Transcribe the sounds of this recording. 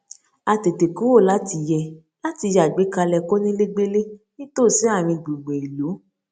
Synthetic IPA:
a˧te˨te˨ku˨˦wo˦˨la˦ti˧jɛ˧ | la˦ti˧ja˨ɡ͡be˨˦ka˧lɛ˧ko˦nĩ˦le˦ɡ͡be˦le˦nĩ˦to˦˨sĩ˨˦a˦˨ɾ̃ĩ˧ɡ͡bu˨ɡ͡bẽ˨i˨lo˨˦

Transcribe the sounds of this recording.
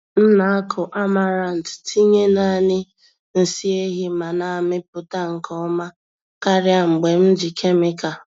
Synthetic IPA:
n̩˦na˨a˦kʰʊ˨ʔa˦ma˦ɾa˨n̩˨ttʰi˦ɲe˦na˨nɪ˦ | n̩˨si˦e˦ɦi˦ma˨na˨mɪ˦p̚ʊ˨ta˦ŋ̩˨kʰɔ˦ma˦ | ka˦ɾja˦ŋ͡m̩˨ɡ͡be˨m̩˦d͡ʒi˨kʰe˦mɪ˦ka˨

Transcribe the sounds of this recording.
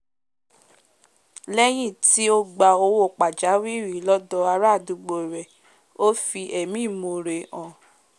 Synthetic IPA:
lɛ˦j̃ĩ˦˨ti˦o˦ɡ͡ba˧o˧wo˦˨k͡pa˨d͡ʒa˨˦wi˦ɾi˨˦lɔ˦dɔ˧a˧ɾa˦˨du˧ɡ͡bo˨ɾɛ˨ | o˦fi˧ʔɛ˨mĩ˦˨mo˨˧ɾe˧˨ɔ̃˨

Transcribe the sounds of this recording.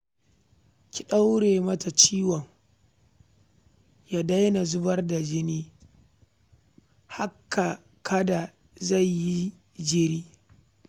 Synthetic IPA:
kʲi˨ɗa˦wɽeː˨mɐ˦ta˨t͡ʃiː˦wɔ˨ŋ | ja˦da˦jna˨zʊ˦bɐ˦rda˨d͡ʒɪ˦niː˦ | ha˦kːa˨ | kʰɐ˦da˨ | za˦˨jji˦ | d͡ʒɪ˦ɾiː˦

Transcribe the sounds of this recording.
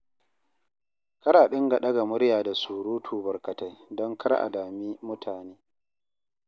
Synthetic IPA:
kɐ˦ɾaː˨ɗɪ˦ŋɡa˨ɗɐ˦ɡa˨mʊ˦ɽjaː˨da˨suː˨ɾuː˦tʰuː˨bɐ˨rkɐ˨ta˦jdɔ˦ŋkʰɐ˦ɾʔa̰˨daː˨miː˦mʊ˦tʰaː˨neː˦

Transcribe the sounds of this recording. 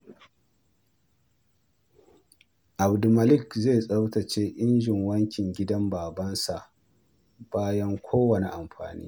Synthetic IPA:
ʔa˨bdu˨mɐ˨lɪ˦˨kze˦˨jsʼa˦wtɐ˨t͡ʃeː˦ʔɪ˦nd͡ʒɪ˨ŋwɐ˦ŋkʲɪ˨ŋɡʲɪ˦dɐ˦mbaː˨bɐ˦nsa˨ʔ | b̥aː˦jɐ˦ŋkʷoː˦wɐ˨ne˨ʔa˨mɸa̰ː˨nḭː˦

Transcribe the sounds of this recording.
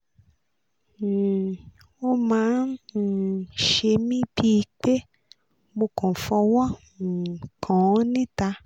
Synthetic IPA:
o˦mãː˨˦n˨ | ʃe˧mĩ˦bi˦˧k͡pe˦ | bo˧kɔ̃˨fɔ˧wɔ˦˨ | kʰaɔ̃˨˦nĩ˦ta˧

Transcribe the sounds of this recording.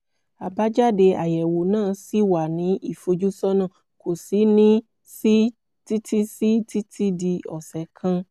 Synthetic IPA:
a˨ba˦d͡ʒa˦de˧a˨jɛ˨wo˨nãː˦˧si˦wa˨nĩ˨˦ʔi˦˨fo˧d͡ʒu˦sɔ˦nãː˦˨ | ko˨si˨˦nĩ˦ | si˦ | ti˦tʰi˦si˦ti˦tʰi˦di˧ɔ˨sɛ˨˦kʰã˧

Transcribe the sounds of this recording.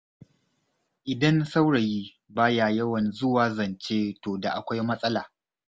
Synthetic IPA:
ʔɪ˨dɐ˦nsa˦wɽɐ˨jiː˦ | baː˦jaː˨jɐ˦wɐ˨nzʊ˦waː˦zɐ˨nt͡ʃeː˦toː˨da˨ʔa˨kʷa˦jmɐ˦sʼɐ˦laː˨

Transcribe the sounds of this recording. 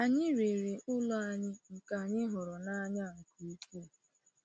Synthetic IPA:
a˨ɲɪ˦ɾe˨ɾe˨ʔʊ˦lɔ˦a˨ɲɪ˦ŋ̩˨ka˨a˨ɲɪ˦ɦɔ˨ɾɔ˨na˦ɲa˦˨ŋ̩˨ku˦i˦ku˦˨

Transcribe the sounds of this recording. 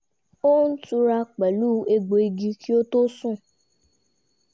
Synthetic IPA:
o˦n̩˦tu˧ɾa˧k͡pɛ˨lu˦e˧ɡ͡bo˨i˧ɡi˧ki˦o˦to˦sũ˦˨

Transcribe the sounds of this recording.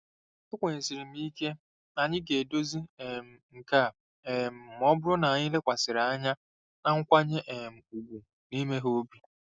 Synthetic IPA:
ɪ˦kʷe˨ɲe˨si˨ɾi˨m̩˦i˦ke˦ | a˨ɲɪ˦ɡe˨do˦zi˦e˨m̩˨ŋ̩˨ka˦˨ | e˨m̩˨m˦ɔ˦bʊ˦ɾʊ˦na˨a˨ɲɪ˦le˦kʷa˨sɪ˨ɾa˨a˦ɲa˦ | na˦ŋ̩˦kʷa˦ɲe˦ʔe˨m̩˨u˨ɡʷu˨ | ni˦me˦ɦo˦bi˨

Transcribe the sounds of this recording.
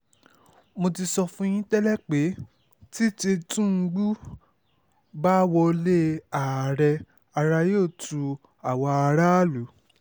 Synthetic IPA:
mo˧ti˧sɔ˧fũ˦j̃ĩ˦tɛ˦lɛ˦k͡pe˨˦ | ti˦te˧tũ˦ŋ̩˧˦ɡ͡bu˦ | ba˦wɔ˧le˦a˨ɾɛ˧ | a˧ɾa˧joː˦˨tʰu˧ | a˨wɔ˧a˧ɾa˦lu˨˦

